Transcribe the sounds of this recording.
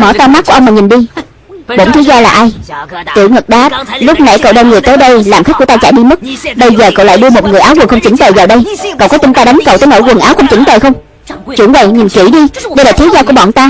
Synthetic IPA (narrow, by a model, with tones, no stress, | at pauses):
mɔ˧˩t̪aː˧ma˦˥ku˧˩ʔə˧wŋ͡mmaː˨˩ɲi˨˩nɗi˧ | ɓo̰˧˥nt̪ʰi˨˦zɔː˧laː˨˩ʔaː˧jt̪ḭ˧˩˨wŋə˨˩k̚ɗaː˨˦˥t̚lʊ˦˥k͡p̚na̰˧˩jkə̰˧˨wɗə˧nŋɨ˨˩əjt̪ə˨˦jɗə˧jlaː˨˩mxa˦˥k̚ku˧˩ə˦t̪aː˧t͡ɕa̰˧˨jɗi˧m˦˥t̚ɓə˧jzəː˨˩kə̰˧˨wla̰ː˧˨jɗɨ˧əmo˨˩t̚ŋɨ˨˩əjʔaː˨˦wɣwŋxə˧wŋ͡mt͡ɕï˨˦ŋ̟t̪əː˨˩jvaː˨˩wɗə˧jkə̰˧˨wkɔ˨˦t͡ɕʊ˨˦ŋ͡mt̪aː˧ɗa˨˦ŋ̟kə˨˧˨wt̪əː˨˦jno̰˧˥˦jkwə˨˩nʔaː˨˦wxə˧wŋ͡mt͡ɕï˧˦ŋ̟t̪ə˨˩jxə˧wŋ͡m | t͡ɕṵ˧˩˥əvə̰˧˨ɲi˨˩nki˧˩ɗi˧ɗə˧jlaː˨˩t̪ʰi˨˦zɔː˧ku˧˩əɓɔ̰˧˨nt̪aː˧